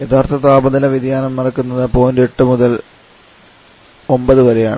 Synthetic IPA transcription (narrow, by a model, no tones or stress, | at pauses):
jet̪ʰaːrt̪ʰɐt̪aːbɐðilɐʋid̪jaːnɐmnɐɾɐkːunːɐðɨpoːndeʈːɨmuðɐl | o̞mbɐðɨʋɐɾe̞jaːɳɨ